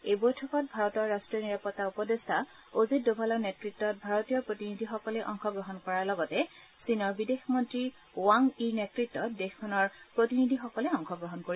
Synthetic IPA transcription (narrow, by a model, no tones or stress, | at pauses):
ebɔjtʰɔkɔt̚bʱaɹɔtɔɹːastɹiɔniɹapɔtːaupɔdestʰa | ozit̚dobʱalɔɹnetɹitːɔt̚bʱaɹɔtijɔpɹotinidʱixɔkɔlɛʔɔŋxɔɡɹɔɦɔnkɔɹaɹlɔɡɔtɛ | sinɔɹbidexmɔntɹi | waŋinetɹitːɔt̚dexkʰɔnɔɹpɹotinidʱixɔkɔlɛɔŋxɔɡɹɔɦɔnkoɹi